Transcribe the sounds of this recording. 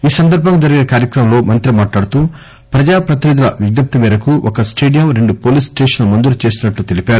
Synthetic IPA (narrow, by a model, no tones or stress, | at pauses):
iːsɐnd̪ɐɾbʱɐŋɡɐd͡ʒɐɾiɡʲinɐkaːɾjɐkɾɐmɐmlo̞ːmɐnt̪ɾimaːʈlaːɽut̪uː | pɾɐd͡ʒaːpɾɐt̪inid̪ulɐʋiɡnɐp̚t̪imiːɾɐkuʔɔkɐsʈeːɖijɐmɾe̞ɳɖupo̞ːliːsʈeːʂɐnlumɐnd̪uɾut͡ʃe̞ːsinɐʈlut̪elipʲaːɾu